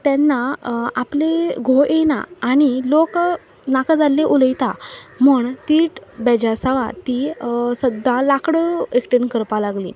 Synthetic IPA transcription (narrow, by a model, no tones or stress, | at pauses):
t̪jãnːaapleɡʱoʔena̰ːɽ̃ilok | nakd͡zalːeʔuləjt̪amuːɳt̪iːʈbɛd͡ʑasəʋa̰t̪isəd̪ʱːalakɽəekʈənkəɾpalaɡlḭː